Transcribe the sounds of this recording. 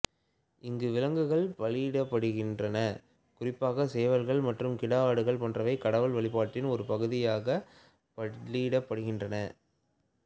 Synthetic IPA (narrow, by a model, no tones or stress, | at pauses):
ʔɪŋɡɯʋɪlɐŋɡɯɣɐɭpɐɭiɽɐpːɐɽɯɣɪndrɐnɐ | kʊrɪpːaːɣɐseːʋɐɾɣɐɭmɐʈrɯmkɪɽɐaːɽɯɣɐɭpɐndrɐʋɐɪkɐɽɐʋɐɭʋɐɭɪpaːʈːɪnɔɾɯpɐɣɯðɪjaːɣɐ | pɐɭiɽɐpːɐɽɯɣɪndrɐnɐ